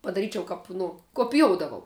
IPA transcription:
pɐdɐˈrʲiːt͡ʃʲɛʊ ˈkɐp nʊ koːpʲɪˈjoːʊdɐʋɐʊ

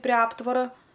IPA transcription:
pʲrʲeː ˈɑːptʋɐrɐ

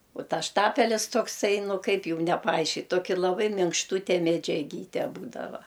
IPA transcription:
ʊ ˈtɐs ˈʃtɑːpʲɛlʲɪs toːkˈsɐɪ ˈnʊ ˈkɐɪp ˈjuːm nʲɛpɐˈɐɪʃʲkʲɪt ˈtoːkʲɪ lˠɐˈbɐɪ mʲɪŋkʃˈtuːtʲɛ mʲɛd͡ʒʲɛˈɡʲiːtʲɛ ˈbuːdɐʋɐ

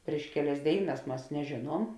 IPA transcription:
pʲrʲiɛʃ ˈkʲæːˌlʲɛs ˈdʲeːɪˌnɐs ˈmɐs nʲɛˈʒʲeːˌnuɔm

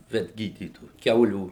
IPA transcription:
ʋʲɛdʲˈɡʲiːdʲiːtoːjʊ ˈkʲɛʊlʲuː

